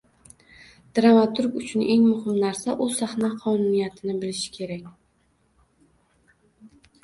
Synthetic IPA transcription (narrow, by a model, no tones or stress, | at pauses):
d̪̥ɾamat̪ʰʊɾkʊt͡ʃʰʊnʔe̞ŋmʊhɪmnaɾsaʔʊsahnaqʰɒnʊnijat̪ʰɪnɪbɪlɪʃɪ̥kʲʰe̞ɾakʲ